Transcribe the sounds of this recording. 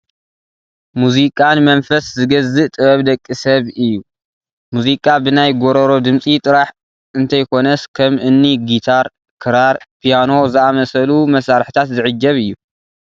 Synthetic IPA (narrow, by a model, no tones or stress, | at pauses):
muzikʼanmɐnfɐszɨɡɐzɨʔt̪ʼɨβɐβd̪ɐkʼːisɐβɨjːu | muzikʼabɨnajɡoɾɐɾo̞d̪ɨmsʼit̪ʼɨɾaħ | ɨnt̪ʰɐjkʰo̞nɐskʰɐmʔɨnːiɡit̪ʰaɾ | kʰɨɾaɾpʰijano̞zɨamɐsɐlumɐsaɾħi̥t̪ʰat̪zɨʕɨd͡ʒːɐβɨjːu